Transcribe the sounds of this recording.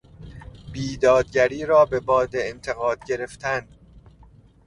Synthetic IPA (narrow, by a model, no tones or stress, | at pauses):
biːd̪ɒːd̪̚ɟæɾiːɾɒːbe̞bɒːd̪eːnt̪ʰe̞ɣɒːd̪̥ɟe̞ɾeft̪ʰæn